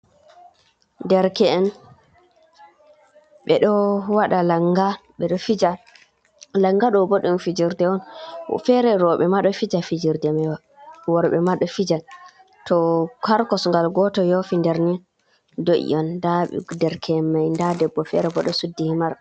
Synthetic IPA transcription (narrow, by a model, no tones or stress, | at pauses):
ndɛɾkɛɛn | ɓɛɗɔwaɗalaŋɡaɓɛɗɔfid͡ʒa | laŋɡaɗɔboɗunfid͡ʒiɾdɛwɔnfɛɾɛɾɔɓɛmaɗɔfid͡ʒafid͡ʒiɾdɛmaja | wɔɾɓɛmaɗɔfid͡ʒa | tɔkʰaɾkɔsŋɡalɡɔtɔjɔfindɛɾni | doʔḭʔɔndaɓɛ̰dɛɾkʰɛnmajndadɛbːɔfɛɾɛbɔɗɔsudːihimaɾ